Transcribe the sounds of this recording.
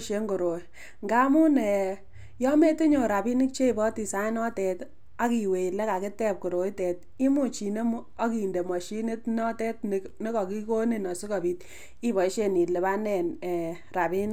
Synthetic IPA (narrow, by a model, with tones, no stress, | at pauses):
ʃe˦ŋɡo˨ɾo˨˦ | ŋɡa˦mu˦nɛ˨ | jɔ˦me˦tɪ˦ɲo˨ɾa˨bi˦nɪ˦k̚t͡ʃe˦i˨bɔ˦ti˨sa˨˦jnɔ˦tɛ˨t | a˦ki˨we˨le˦ka˨kɪ˦tɛ˦p̚ko˨ɾo˨˦i˦tɛ˨t̚ | i˦mu˦˨t͡ʃi˨ne˦mu˦ɔ˦ki˨nde˨mwɔ˨ʃi˦nɪ˦tnɔ˦tɛ˦t̚n | nɪ˦kɔ˨ki˦ko˦ni˨nɔ˨sʊ˦kɔ˨biː˨t̚ | i˦bɔ˨˦ʃe˦ni˨le˨ba˦nɛ˨nɛ˨ | ra˨bi˦n˦